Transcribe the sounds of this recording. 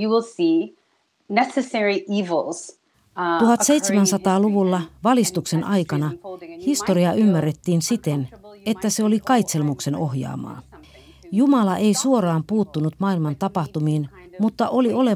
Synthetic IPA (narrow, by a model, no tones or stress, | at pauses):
jɨwɪlˠsi | nɛsɨsɛɹiʔivl̩ˠz̥ | t̪uhɑt̪se̞it̪semænsɑt̪ɑːluʋulːɑʋɑlist̪ukse̞nʔɑjkɑnɑhist̪o̞ɾiɑʔymːærːet̪ːiːnsit̪e̞ne̞t̪ːæseo̞likɑjt̪se̞lmukse̞no̞ɦjɑ̰ːmɑ̰ː | jumɑlɑʔe̞isuo̞ɾɑːmpuːt̪ːunut̪mɑːilmɑnt̪ɑpɑht̪umiːnmut̪ːɑʔo̞lio̞le̞